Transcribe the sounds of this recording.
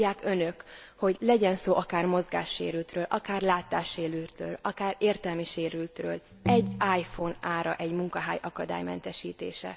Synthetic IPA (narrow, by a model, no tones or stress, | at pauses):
aːkønøkho̞ɟlɛɟɛnsoːʔɒkaːrmo̞zɡa̰ːʃːḛːɾylt̪røːlʔɒkaːrlaːt̪aːʃːeːlylt̪rø̰ːlɒkaːɾeːrt̪ɛlmiʃeːɾylt̪rø̰ːl | ɛɟːaːjfonaːɾɒʔɛɟmuŋkɒɦaːjʔɒkɒd̪a̰ːjmɛ̰nt̪ɛʃiːt̪ḛːʃɛ̰